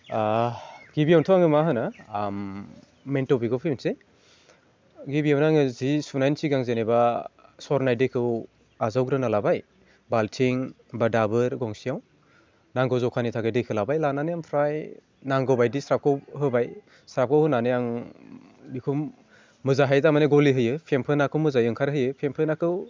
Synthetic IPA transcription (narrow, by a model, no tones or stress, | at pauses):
aɡ̥ibijawntʰɔaŋɯmaɦɯnamː | entɔbiɡɔwpʰimnse | ɡibiawnaŋɯzisunajnsiɡaŋzenebasɔɾnajdɯkʰɯw | azawɡɾɯnalabaj | baltʰiŋ | badabɯɾɡɔŋsijaw | naŋɡɔwzɔwkʰanitʰaɡɯjdɯkʰɯlabajlananɯjaŋpʰɾaj | naŋɡɔwbajdisɾap̚kʰɯwɦɯbaj | sɾap̚kʰɯwhɯnanɯjaŋ | bikʰumː | ɯzaɦajdamaneɡɔliɦɯjɯpʰempʰɯnakʰɯwmɯzajɯŋkʰaɾɦɯjɯpʰempʰɯnakʰɯw